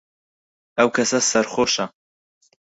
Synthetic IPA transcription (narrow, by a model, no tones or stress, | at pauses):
ɐwkʰɐsɐsɐɾχoːʃɐ